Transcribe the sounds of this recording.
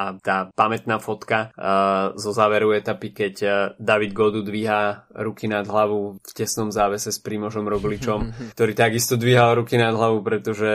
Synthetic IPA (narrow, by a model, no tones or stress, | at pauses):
at̪aːpamɛt̪naːfɔt̪ka | zɔzaːʋɛɾɔʊɛt̪apikɛɟd̪aʋid̪ɡɔd̪ud̪ʋiɦaɾukinad̪ɦlaʋufcɛsnɔmzaːʋɛsɛspɾimɔʒɔmɾɔɡlit͡ʃɔmkt̪ɔɾiːt̪aɡist̪ɔd̪ʋiɦalɾukinad̪ɦlaʋupɾɛt̪ɔʒɛ